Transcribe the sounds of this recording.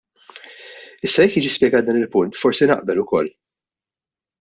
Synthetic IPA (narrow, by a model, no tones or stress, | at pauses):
ɪsːɐjɛkjiːd͡ʒispjɛɡɐːt̪̚d̪ɐːnɪlpʊnt̪fɔɾsinɐ̰ʔbɛlʊkɔlː